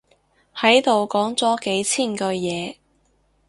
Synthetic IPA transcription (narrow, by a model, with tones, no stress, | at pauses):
hɐ˨˥jt̪o˨wkɔː˨˥ŋt͡sɔː˨˥ke˨˥jt͡sʰiː˥˩nkɵ˧jɛː˨˧